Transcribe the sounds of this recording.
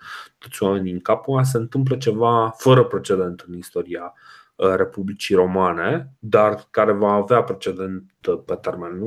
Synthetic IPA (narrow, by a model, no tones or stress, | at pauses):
t̪o̞t̪sʲwame̞nʲɨŋkapuas̬e̞ɨnt̪ɨmp̬lət͡ʃe̞vafəɾəpɾe̞t͡ʃe̞d̪e̞nt̪ɨnist̪o̞ɾia | ɾe̞publit͡ʃiɾo̞mane̞d̪arkaɾe̞vaːveapɾe̞t͡ʃe̞d̪e̞nt̪pe̞t̪e̞rmen